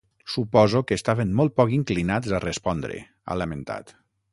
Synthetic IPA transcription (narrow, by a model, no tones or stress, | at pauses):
supɔzokəːst̪aβenmɔlˠt̪̚pɔkiŋklinazarespɔnd̪ɾḛ | a̰lamẽnt̪a̰t̪